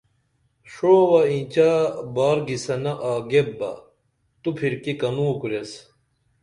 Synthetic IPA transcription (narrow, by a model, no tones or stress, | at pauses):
ʂoːwɐĩːt͡ɕabaːɾɡisɐnɐʔaːɡebːɐ̰ | t̪upʰiɾkikɐnuːkuɾes